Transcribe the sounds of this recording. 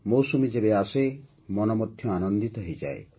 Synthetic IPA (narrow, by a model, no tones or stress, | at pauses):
mowsumed͡ʒebease | mɔnɔmɔt̪ʰːjɔanɔnd̪it̪ɔɦejd͡ʒa̰e